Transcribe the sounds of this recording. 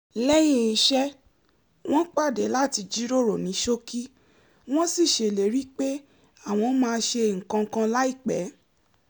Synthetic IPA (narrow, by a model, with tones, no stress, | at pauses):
lɛ˦j̃ĩ˦˨ʃɛ˦ | w̃ɔ̃˦k͡pa˦˨de˨˦la˦˨ti˧d͡ʒi˦ɾo˦˨ɾo˨nĩ˨˦ʃo˦ki˦ | w̃ɔ̃˦si˦˨ʃe˨le˨˦ɾi˦k͡pe˦ | a˦˨w̃ɔ̃˧˦mãː˧˦ʃe˧ŋ̩˨kã˧kã˧la˦i˦˨k͡pɛ̰˨˦